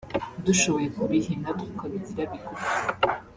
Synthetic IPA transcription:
duʃoβo̞jekuɾihinatukadidiɾaβikoɾ

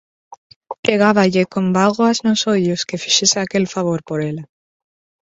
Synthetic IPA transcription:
pɾeɣ̞aβaʎekombalɣoaznosoʎoskefiʃeseakelfaβ̞oɾpoɾela

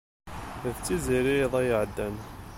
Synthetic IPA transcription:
ðt͡sːiziɾiðˤæjəʕəd̪ːæn

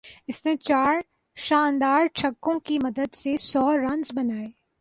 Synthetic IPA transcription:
ɪsnet͡ʃaːɾ | ʃãːnd̪aːɾt͡ʃʰɐkːõkimɐd̪əd̪sesɔːɾɐ̃nzbɐnaːeː

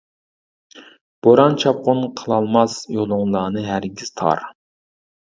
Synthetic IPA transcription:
b̥oɾɑnt͡ʃʰɑp̚qʊnqʰəlˠɑlˠmɑsjolˠʊŋlˠɑːnɨɦæɾɡʲiz̥t̪ʰɑ̰ɾ

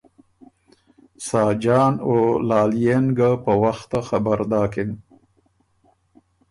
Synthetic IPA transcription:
sɑːd͡ʒɑːnolɑːljenɡapəwaxt̪axabaɾd̪ɑːkɪn

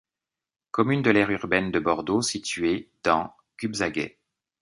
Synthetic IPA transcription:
kɔmynd̪əlɛʁyʁbɛnd̪əbɔʁd̪osit̪ɥed̪̥ɑ̃ | ɡ̥ybzaɡɛ̰

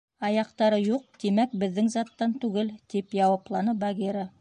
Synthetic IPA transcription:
ɑjɑqt̪ɑɾɤjuq̚t̪imæk̚bɘ̆ðːɘŋzɑt̪ːɑnt̪ʉɡɘlt̪ipjɑwɑplˠɑnɤbaɡʲeɾə

